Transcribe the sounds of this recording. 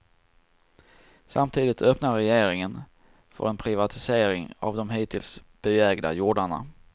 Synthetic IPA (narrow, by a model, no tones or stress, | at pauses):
samt̪ʰiːd̪ɪt̪ʰœpnaɾɛjeːɾɪŋən | fœ̰ɾʔɛnpʰɾɪvat̪ʰɪseːɾɪŋa̰vd̪ɔmɦiːt̪ʰɪlsb̥ɛɛːɡd̪a̰juːɖaɳa̰